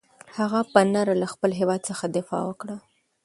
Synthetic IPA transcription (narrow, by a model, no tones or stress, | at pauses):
haɣapənaɾalaxpəlɦewɑd̪̚səxad̪ɪfɑ̰wəkɽa